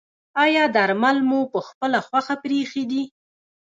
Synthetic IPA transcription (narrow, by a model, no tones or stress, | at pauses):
ɑjɑd̪aɾmalmupəxpəlaxwaxapɾexed̪i